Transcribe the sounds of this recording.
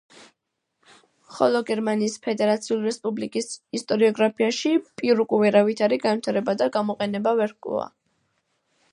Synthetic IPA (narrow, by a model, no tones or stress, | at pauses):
χɔlˠɔɡɛɾmaniːspʰɛd̪ɛɾat̪sʰiuliɾɛspʼublikʼisist̪ʼɔɾiɔɡɾapʰiaʃipʼiɾukʼuvɛɾavit̪ʰaɾiɡanvwit̪ʰaɾɛbad̪aɡamɔqʼɛnɛbavɛɾkʼṵa̰